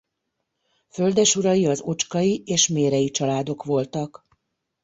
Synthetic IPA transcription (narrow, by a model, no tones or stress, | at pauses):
fø̞ld̪ɛʃuɾɒjiɒzo̞t͡ʃkɒjieːʃmeːɾɛjit͡ʃɒlaːd̪o̞kʋo̞lt̪ɒk